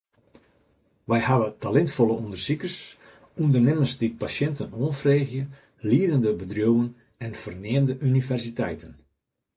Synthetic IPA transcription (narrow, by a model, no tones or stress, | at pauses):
ʋɛjhaʋətalɛntfɔlˠəundərsikərs | undərnɪməsdit̚pasjɛntənoːnfreːɣjə | liədəndəbədrowən | ɛnfərnɪːndəʔynivɛrsitɛjtʰən